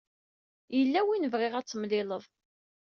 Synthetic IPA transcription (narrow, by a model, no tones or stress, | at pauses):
jəlːæwinəvʁɪʁæt͡sːəmlɪləðˤ